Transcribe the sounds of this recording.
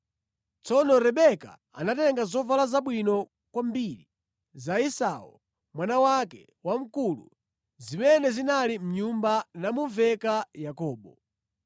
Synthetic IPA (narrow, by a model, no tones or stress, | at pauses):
t͡sɔnɔɾɛɓɛka̰ | a̰natɛŋɡazɔvalazaɓwinɔ | kwambiɾi | zaisaṵ | mwanawakɛ | wam̩kulṵ | zimɛnɛzinalim̩ɲumbanamuvɛkajakɔːɓɔ